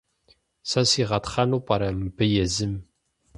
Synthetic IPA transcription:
sɐsiʁɐtχɐnupʼɐɾɐmɨbɨjɛzɨm

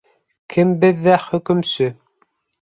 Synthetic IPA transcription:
kʰɘmbɘðːæχɵ̆kɵ̆msɵ

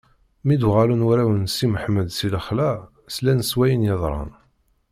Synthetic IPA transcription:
mid̪ʁalunwʊɾæwənsiməħməd̪siləχlæ | slænəswæjənjɑðˤɾˤɑ̰n

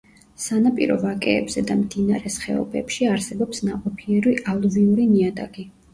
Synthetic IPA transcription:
sanapʼḭɾɔ̰vakʼɛːbz̥ɛd̪amd̪inaɾɛsχɛ̰ɔ̰bɛpʃiaɾsɛbɔpsnaqʼɔpʰiɛɾiʔalˠviuɾiniad̪a̰ɡi

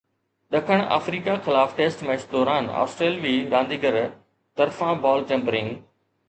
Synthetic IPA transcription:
ɗɐkʰəɽ̃a̰ːfɾiːkaxɪlaːfʈeːsʈmẽːsd̪ɔːɾaːna̰ːsʈɾeːlʋiːɾãːnd̪iːɡəɾ | t̪ɐɾfãbɔːlt͡ɕẽːmbɾɪ̃ŋɡ

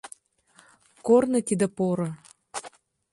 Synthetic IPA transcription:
kornɤ̆t̪ʲid̪əpoɾɤ̆

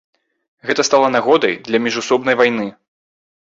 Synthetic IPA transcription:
ɣɛt̪ɐst̪alˠɐnaɣɔd̪ɐjd̪lʲɐmʲiʐusɔbnɐjvajnɨ

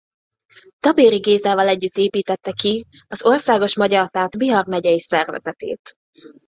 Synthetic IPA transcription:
t̪ɒbeːɾiɡeːzaːvɒlɛɟːyt̪ːeːpiːt̪ɛt̪ːɛki | ɒzo̞rsaːɡo̞ʃmɒɟɒrt̪aːt̪biɦɒrmɛɟɛjisɛrvɛ̰zɛt̪ḛːt̪

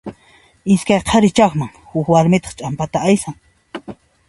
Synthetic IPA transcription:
ɪskajqʰɑɾɪt͡ʃakmaŋhʊkwaɾmɪt̪ɑ̥χt͡ʃʼampat̪aajsaŋ

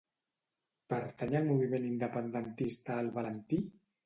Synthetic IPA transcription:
pəɾt̪əɲalmuβ̞imenind̪əpənd̪ənt̪ist̪aːlˠβalənt̪i

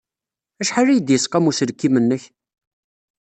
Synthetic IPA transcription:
æʃħaræjəd̪jəsˤqɑmusəɾkːimənːəç

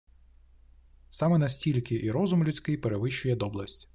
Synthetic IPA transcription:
sɑmɛnɐsʲtʲilʲkɪʔiɾɔzʊmlʲʊt͡sʲkɪjpeɾeʋɪʃt͡ʃʊjɛd̪ɔblˠɐsʲtʲ

